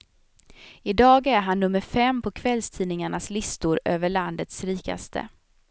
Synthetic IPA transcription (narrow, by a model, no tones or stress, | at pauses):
ɪd̪ɑːɡæɾɦanːɵmːəɾfɛmːpʰɔkʰvɛlst̪ʰiːnɪŋaɳaslɪst̪ʊɾøːvəɭand̪ət̪sɾiːka̰st̪ʰə̰